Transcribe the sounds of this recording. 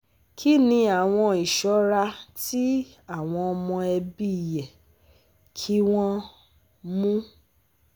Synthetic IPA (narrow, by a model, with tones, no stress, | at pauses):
kʰi˦nĩ˧a˨w̃ɔ̃˧i˨ʃɔ˨˦ɾa˧ti˦ | a˦˨w̃ɔ̃˧ɔ˧mɔ̃˧ɛ˧bi˦˨jɛ˨ | kʰi˦w̃ɔ̃˦ | mũ˦